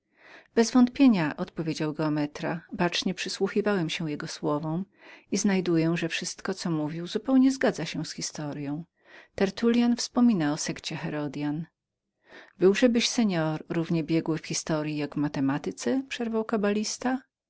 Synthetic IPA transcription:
b̥ɛzvɔnt̪̚pʲjeɲaʔɔt̪pɔvʲjed͡ʑawɡɛɔmɛt̪ɾa̰bat͡ʂɲɛpʂɘswuxʲivawɛmɕɛ̃jɛɡɔswɔvɔ̃w | iznajd̪ujɛʐɛfʂɘst̪kɔt̪sɔmuvʲiwzupɛwɲɛzɡad̪zaɕɛ̃sxʲist̪ɔɾjɔ̃w̃ | t̪ɛɾt̪ulʲjanfspɔmʲinaɔsɛkt͡ɕɛxɛɾɔd̪jan | bɘwʐɛbɘɕsɛɲɔɾːuvɲɛbʲjɛɡwɘfxʲist̪ɔɾʲjijaɡvmat̪ɛmat̪ɘt̪sɛpʂɛɾvawkabalʲist̪a

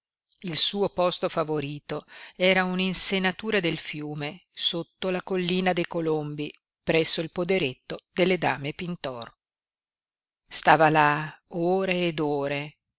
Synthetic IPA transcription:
ilsuːopɔst̪ofavoɾiːt̪oɛːɾauninsenat̪uːɾad̪elfjuːmesot̪ːolakolːiːnad̪ejkolombi | pɾɛsːoilpod̪eɾet̪ːod̪elːed̪aːmepint̪ɔr | st̪aːvalaoːɾeːd̪oːɾe

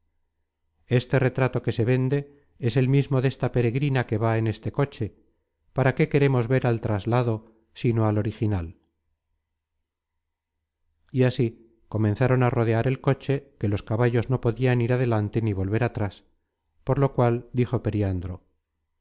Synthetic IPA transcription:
e̞st̪e̞re̞t̪ɾat̪o̞ke̞se̞βe̞nd̪e̞ | ese̞lmizmo̞ðe̞st̪ape̞ɾe̞ɣɾinake̞βae̞ne̞st̪e̞ko̞t͡ʃe̞ | paɾake̞ke̞ɾe̞mo̞zβe̞ɾalt̪ɾazlaðo̞ | sino̞alo̞ɾixinal | iasi | ko̞menθaɾo̞naro̞ð̞e̞aɾe̞lko̞t͡ʃe̞ke̞lo̞skaβaʝo̞zno̞po̞ðianiɾaðe̞lant̪e̞niβ̞o̞lβe̞ɾat̪ɾas | po̞ɾlo̞kwald̪ixo̞pe̞ɾiand̪ɾo̞

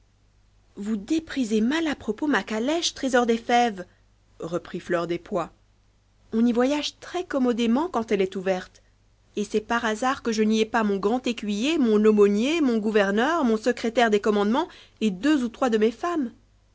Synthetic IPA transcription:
vud̪epχizemalapχɔpomakalɛʃt̪χezɔʁd̪efɛv | ʁəpχiflœʁd̪epwa | ɔ̃nivwajaʒt̪χɛkɔmɔd̪emɑ̃kɑ̃t̪ɛlɛt̪uvɛʁt̪ | esɛpaʁazaʁkəʒəniɛpamɔ̃ɡʁɑ̃t̪ekʲɥijemɔ̃nomɔnjemɔ̃ɡuvɛʁnœʁmɔ̃səkχet̪ɛʁd̪ekɔmɑ̃d̪mɑ̃ | ed̪øzut̪χwad̪əmefam

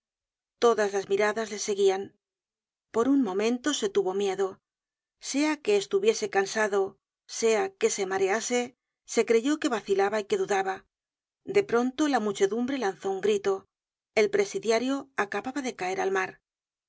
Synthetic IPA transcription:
t̪o̞ðazlazmiɾaðazle̞se̞ɣian | po̞ɾunmõ̞mẽ̞nt̪o̞se̞t̪uβomje̞ðo̞ | se̞ake̞ːst̪uβje̞se̞kansaðo̞ | se̞ake̞se̞maɾe̞ase̞ | se̞kɾe̞ʝo̞ke̞βaθilaβaike̞ðuðaβa | d̪e̞pɾo̞nt̪o̞lamut͡ʃe̞ðumbɾe̞lanθo̞uŋɡɾit̪o̞ | e̞lpɾe̞siðjaɾjo̞akaβaβaðe̞kae̞ɾalmaɾ

